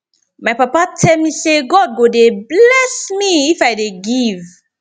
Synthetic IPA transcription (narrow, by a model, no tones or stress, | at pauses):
majpapatʰɛlmiseɡɔd̚ɡodeblɛsmiifajdeɡiv